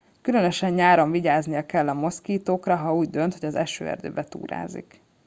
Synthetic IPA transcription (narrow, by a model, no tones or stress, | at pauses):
kylø̞nøʃɛɲɲaːɾoɱviɟaːznijɒkɛlːɒmo̞skiːt̪oːkrɒɦɒuːɟd̪ø̞nt̪hoɟɒzɛ̰ʃø̰ːɛ̰rd̪ø̰ːbɛt̪ṵːɾa̰ːzḭk